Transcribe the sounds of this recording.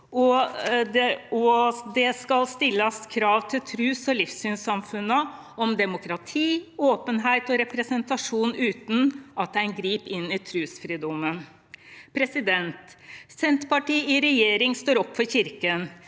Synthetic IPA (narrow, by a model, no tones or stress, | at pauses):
ɔd̪ɛɔd̪ɛskɑlst̪ɪlːəskʰɾɑːʋt̪ʰɪlt̪ʰɾʉːsɔlɪfsyːnsɑmfʉnːə | ɔmd̪ɛmʊkɾɑt̪ʰiːoːpənɦæɪt̪ɔɾɛpɾɛsənt̪ɑʂuːnʉːt̪n̩ʔɑt̪æɪnɡɾiːpɪnːɪt̪ʰɾʉːsfɾiːd̪ɔmːən | pʰɾɛsɪd̪ɛnt̪sɛnt̪pɑʈiːɪɾɛjeːɾɪŋst̪oːɾɔpːfɔɾçɪɾkən